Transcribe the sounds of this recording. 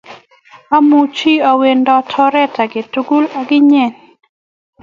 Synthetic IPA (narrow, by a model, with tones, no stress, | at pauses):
a˦mu˨t͡ʃi˦˨a˨we˨ndɔ˦tʰɔ˦ɾɛ˦ta˨ɡɪ˨tu˨˦ɡu˦la˨ɡɪ˦ɲɛ˦˨n